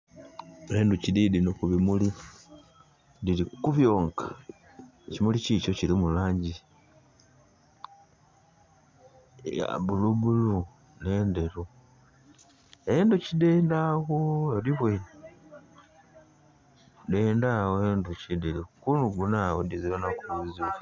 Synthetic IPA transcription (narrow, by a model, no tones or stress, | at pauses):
eːnducididinokuβimuli | dilikuβjo̞ːŋkḁ | cimulicico̞cilimulaːɲɟi | ja̰buluβulu | ne̞ːndeɾu | enducideːndaɣoeliβwen | deːndawoenducideɾukunuɡunawodizilanakuuzia